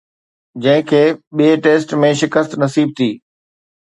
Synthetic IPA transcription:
d͡ʑɐ̃ɦɪ̃kʰeːɓieʈeːsʈmẽʃɪkəst̪nɐsiːb̚t̪ʰiː

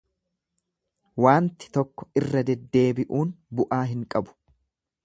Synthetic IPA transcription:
waːnt̪ɪ̥t̪ɔkːɔ̥ɪrːɐd̪ɛd̪ːe̞ːbɪʔuːnbʊʔaːɦɪŋkʼɐbʊ̥

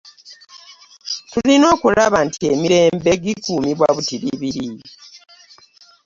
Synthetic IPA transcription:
tulino̞ːkulaβantiemiɾe̞ːmbe̞ɡikumiβwaβutiɾḭβiɾi

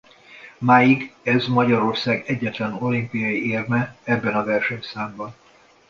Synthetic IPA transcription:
maːjiɡɛzmɒɟɒɾo̞rsaːɡɛɟːɛt̪lɛno̞limpijɒjieːrmɛɛbːɛnɒvɛrʃɛɲsaːmbɒn

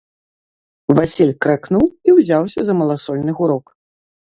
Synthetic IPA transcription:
vasʲilʲkɾɛknuwiwzʲawsʲɐzɐmɐlˠasɔlʲnɨɣuɾɔk

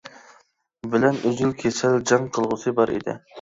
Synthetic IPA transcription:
bɪlɛnyzylkʲʰesɛld͡ʒɑŋqʰəlˠʁʊsɨbɑɾḭd̪ɪ̰

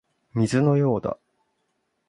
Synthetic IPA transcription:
mʲizɨno̞jo̞ːd̪a̰

